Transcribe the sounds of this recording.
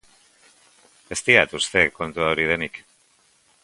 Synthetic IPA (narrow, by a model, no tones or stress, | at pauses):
e̞st̪iat̪ust̪e̞kːo̞nt̪uaoɾið̞e̞nik